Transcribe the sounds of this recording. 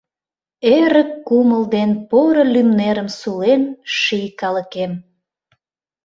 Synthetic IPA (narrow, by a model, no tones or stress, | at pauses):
eɾəkːuməld̪enpoɾəlymneɾəmsulenʃijkɑləkem